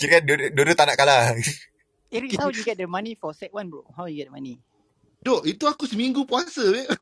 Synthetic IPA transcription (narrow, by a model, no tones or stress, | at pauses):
kiɾakandododot̪anaʔkala | ɛɹikshawjuɡɛt̚dəmanifɔsɛʔ̚wanbɔʔɦawjuɡɛt̚dəmani | dɔʔit̪uakusəmiŋɡupuasəweʔ